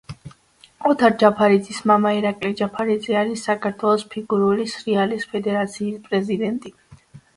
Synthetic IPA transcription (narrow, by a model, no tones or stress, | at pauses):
ɔt̪ʰaɾd͡ʒapʰaɾid̪zismamaiɾakʼlid͡ʒapʰaɾid̪zɛaɾisːakʰaɾt̪ʰwɛlˠɔspʰiɡuɾulisɾialispʰɛd̪ɛɾat̪sʰiːspʼɾɛzid̪ɛnt̪ʼi